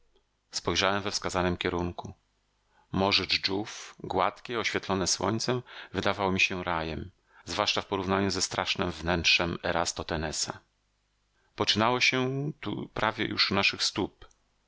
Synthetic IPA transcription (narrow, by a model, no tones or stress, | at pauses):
spɔjʐawɛmvɛfskazanɘmkʲɛɾuŋku | mɔʐɘd͡ʐd͡ʐufɡwat̪kʲɛɔɕfʲjɛt̪lɔnɛswɔ̰ɲt̪sɛmvɘd̪avawɔmʲiɕɛɾajɛm | zvwaʂt͡ʂafpɔɾuvnaɲuzɛst̪ɾʔaʂnɛmvnɛntʂɛmɛɾast̪ɔt̪ɛnɛsa | pɔt͡ʂɘnawɔɕɛt̪ṵpɾʔavʲjɛ̰jṵʂunaʂɘxst̪up